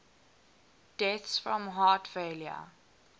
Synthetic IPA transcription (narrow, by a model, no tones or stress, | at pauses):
d̥ɛθsfɹɔ̃mɦɑːˑtfeljə̰